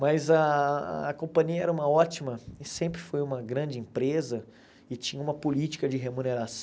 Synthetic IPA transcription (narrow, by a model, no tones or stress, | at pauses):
mɐzɐ | kõpɐ̃ɲiɐɛɾɐũmɐɔt͡ʃimɐɪsẽmpɾɪfojũmɐɡɾɐ̃d͡ʒɪĩpɾezɐ | ɪt͡ʃĩɲɐũmɐpolit͡ʃi̥kɐd͡ʒɪɦemuneɾas